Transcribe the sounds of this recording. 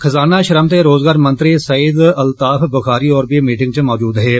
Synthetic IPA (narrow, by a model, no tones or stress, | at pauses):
xʰɐzaːnaːʃəɾəmt̪eːɾoːzɡaːɾmə̃nt̪ɾisəiːd̪ɐlt̪aːfʰbəxaːɾiːɔːɾbiːmiːʈɪ̃ŋɡt͡ʃmɔːd͡ʒuːd̪ɦɛː